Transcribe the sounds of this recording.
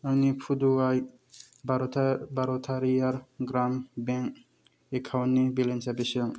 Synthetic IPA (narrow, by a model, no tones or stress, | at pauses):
awnipʰuduaj | baɔbaɾɔt̪ʰaɾijaɾɡɾambɛŋk̚ | ekʰawnnːibilensabesiɔŋ